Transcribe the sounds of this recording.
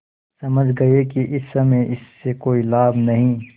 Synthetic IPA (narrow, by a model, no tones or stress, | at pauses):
sɐməd͡ʒʱɡɐekiʔɪsːɐmeɪsːekoːilaːbnɐɦĩː